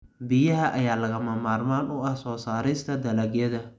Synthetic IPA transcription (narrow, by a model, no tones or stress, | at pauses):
bɪjɐɦɐʔɐjaːlɐɣɐmɐmaːrmaːnʊɐhsɔːsaːɾɪst̪ʰɐd̪ɐlɐɡjɐðɐ